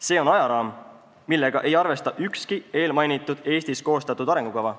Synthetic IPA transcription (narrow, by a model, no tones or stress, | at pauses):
se̞ːo̞nɑjɑɾɑːm | milːe̞ɡ̥ɑʔe̞jɑrve̞st̪ɑʔykskie̞ːlmɑjnit̪ːˑud̪̥e̞ːst̪isko̞ːst̪ɑt̪ːˑud̪ɑɾe̞ŋɡukɑvɑ